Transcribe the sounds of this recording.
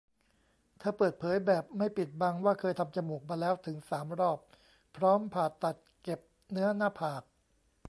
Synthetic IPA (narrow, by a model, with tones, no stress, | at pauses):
t̪ʰaː˧˥˩pɤː˨˩t̪̚pʰɤː˩˦jbɛː˨˩p̚ma˥˩jpi˨˩t̪̚ba˧ŋwaː˥˩kʰɤː˧jt̪ʰa˧mt͡ɕa˧muː˨˩k̚maː˧lɛː˦˥wt̪ʰɯ˩˦ŋsaː˩˦mɾɔː˥˩pʰː | ɾɔː˦˥mpʰaː˨˩t̪ːa˨˩t̪̚ke˨˩p̚ | nɯ˦˥ɐnaː˥˩pʰaː˨˩k̚